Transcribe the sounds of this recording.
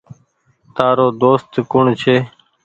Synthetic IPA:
t̪aːɾoːd̪oːst̪kʊɳt͡ʃʰeː

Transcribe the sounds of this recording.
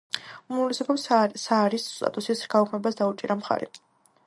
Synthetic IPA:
umlisɛpʰɔpssaːɾist̪ʼa̰t̪ʼusisɡaukʰmɛbasd̪aut͡ʃʼiɾamχa̰ɾɛ̰

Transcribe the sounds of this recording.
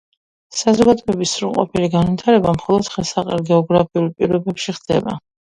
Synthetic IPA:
sazɔɡad̪ɔɛbisːɾulˠqʼɔ̰pʰiliɡanvit̪ʰaɾɛbamχɔlˠɔd̪χɛlˠsaqʼɛ̰lɡɛɔɡɾapʰiulˠpʼiɾɔbɛpʃiχd̪ɛ̰ba̰

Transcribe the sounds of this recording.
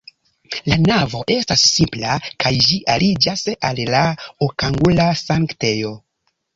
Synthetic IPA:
lanavo̞ʔe̞stasːimplakajd͡ʒiʔalid͡ʒasallaokaŋɡulasaŋktejo̞

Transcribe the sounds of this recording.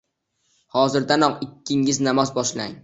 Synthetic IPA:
hɒzɪɾd̪anɒqɪkʲʰːɪŋɪznamɒzbɒʃla̰ŋ

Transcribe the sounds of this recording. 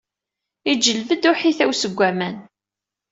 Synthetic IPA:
id͡ʒːəlvəd̪ʊħiθæwsəɡʷːæmæn

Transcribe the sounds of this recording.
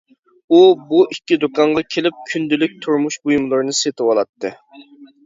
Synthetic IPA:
ubuʔikʲːid̪okɑɴʁɑkʲʰelɪp̚kʲʰynd̪ylɪk̚ʲt̪ʰuɾmuʃbujmɨlˠɨɾɨnɨset̪ʰɪwɑlˠɑt̪ʰːɨ̰

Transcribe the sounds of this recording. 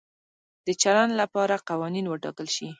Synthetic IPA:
d̪̥ət͡ʃaland̪lapɑɾaqawɑninwəʈɑ̰kəlʃi

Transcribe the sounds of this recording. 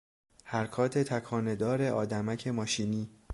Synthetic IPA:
hæɾkʰɒːt̪ʰe̞t̪ʰækʰɒːne̞d̪ɒːɾe̞ʔɒːd̪æmæcʰe̞mɒːʃiːniː

